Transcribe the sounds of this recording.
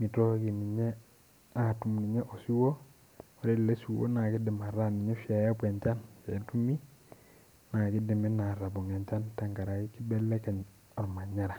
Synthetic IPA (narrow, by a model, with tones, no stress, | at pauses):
mi˨to˦ɡi˨mi˨ɲe˦ | a˦˨tu˨˦mni˨ɲe˦ʔo˨si˦wo˦ | wa˨ɾe˦˨le˦su˨wo̰˦na˨ki˦di˨ma˨ɾa˦ni˨ɲɛ˦fja˨ja˦pe˨ɲt͡ʃa˦nfe˨˦tu˦mi˦ | na˨ki˦di˨mɛ˦na˨ɾa˨bɔ˨ŋe˨ɲt͡ʃa˦nta˨ŋka˨ɾa˨ki˦ki˦be˦lːe˦ke˨ɲ | ɔ˨ɾma˨ɲa˦ɾa˨